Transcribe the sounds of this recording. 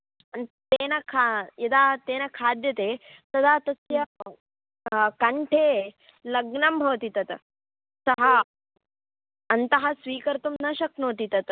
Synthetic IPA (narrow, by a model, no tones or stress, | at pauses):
ɐnt̪eːnɐkʰajɐd̪aːt̪eːnɐkʰaːd̪jɐt̪eːt̪ɐd̪aːt̪ɐsjɐ | kɐɳʈʰeː | lɐɡɳɐmbʱɐʋɐt̪it̪ɐt̪ | sɐɦɐ | ɐnt̪ɐɦɐsʋiːkɐɾt̪umnɐʃɐknoːt̪it̪ɐt̪